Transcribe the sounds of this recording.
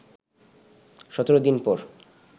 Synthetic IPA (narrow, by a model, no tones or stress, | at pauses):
ʃɔt̪oɾod̪inpɔɾ